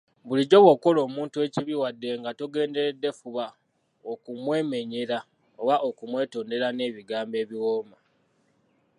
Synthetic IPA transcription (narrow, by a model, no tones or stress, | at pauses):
βuliɟo̞βwo̞ko̞lo̞ːmuːntue̞ciβiwadːe̞ŋɡatoɡe̞ːnde̞ɾedːe̞fuβa | okumwe̞ːme̞ɲeɾa | oβaʔo̞kumwe̞ːto̞ːnde̞ɾane̞βiɡaːmbe̞ːβiwo̞ːma